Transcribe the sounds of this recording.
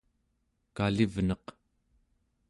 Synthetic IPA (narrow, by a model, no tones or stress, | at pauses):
kalivnʌq